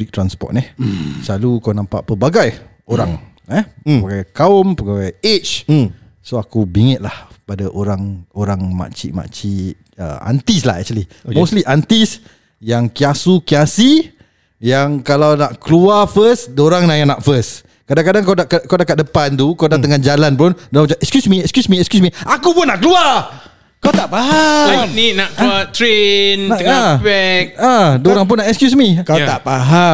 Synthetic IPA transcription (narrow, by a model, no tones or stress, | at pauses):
blik̚t̪ɾanspɔ̰t̪̚nɛhsalukawnãmpa̰ʔpəbaɡaj | oɾaŋ | ɛpbaɡajkaɔmpəbaɡajet͡ʃ | soakubiŋət̪̚lahpadaʔoɾaŋoɾaŋma̰ʔt͡ʃḭʔma̰ʔt͡ʃi | ə̰a̰nt̪isla̰ɦɛ̰k̚t͡ʃəli | kmostliʔant̪is | jaŋkiasukiasi | jaŋkalawnaʔkluafəsdoɾaŋnajanaʔfəs | kadãŋkadaŋkawdakakawdakat̚dəpant̪ukawdat̪əŋand͡ʒalanpɾɔndamt͡ʃaɛkskjusmiɛkskjusmĩɛkskjusmiakupʊnːaʔkəlua | kawt̪aʔpaɦaamninaʔkat̪ɾenəabɛk̚adoɾaŋp̬ʊnːaʔɛkskjusmik̪aʔpaɦa